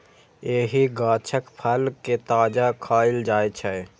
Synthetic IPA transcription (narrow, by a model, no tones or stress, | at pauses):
eːɦiɡaːt͡ʃʰəkpʰəlket̪aːd͡ʒakʰaːɪld͡ʒaːet͡ʃʰɛ